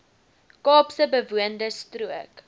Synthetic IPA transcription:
kɑːpsəbəvuəndəstruək

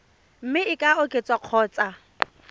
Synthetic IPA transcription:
m̩mɪɪkʼaʊkʼet͡sʼaq͡χʰɔːt͡sʼa

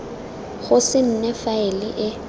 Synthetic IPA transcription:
ɣʊsɪn̩nɛfaɪlɪ̰ʔɪ

